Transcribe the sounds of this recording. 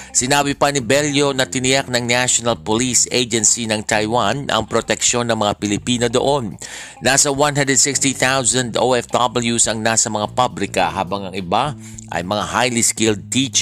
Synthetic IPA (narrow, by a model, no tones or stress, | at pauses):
sɪnaːbɪpɐnɪbɛljo̞nɐt̪ɪnɪjak̚nɐŋnaʃonɐlpolisejd͡ʒɛnsinɐŋt̪ajwanʔɐ̰ŋpɾot̪ɛkʃo̞nːɐŋmɐŋapɪlɪpiːnod̪oʔo̞nː | asɐwanɦand̪ɾɛd̪sɪkst̪iθawzɐnd̪oʔɛfd̪abɐljusɐŋnasɐmɐŋapabɾɪkɐ̰haːbɐŋɐŋɪba | ʔɐ̰jmɐŋahajliskɪld̪̚t̪it͡ʃ